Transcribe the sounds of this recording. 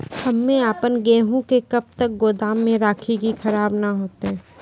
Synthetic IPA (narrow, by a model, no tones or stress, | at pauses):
hɐmːẽaːpənɡɛ̃ːɦõkekɐb̚t̪ək̚ɡoːd̪aːmːẽɾaːkʰikixɐɾaːbnaɦoːt̪eɦɛ̃ː